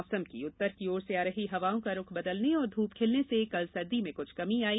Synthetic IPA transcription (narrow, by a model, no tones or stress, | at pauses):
səmkḭʊt̪ːəɾkioːɾseaːɾɐɦiɦɐʋaːõkaɾʊkʰbɐd̪əlneɔːɾd̪ʱuːpkʰeːlnesekɐlsɐɾd̪imẽkʊt͡ʃʰkɐmiaːiː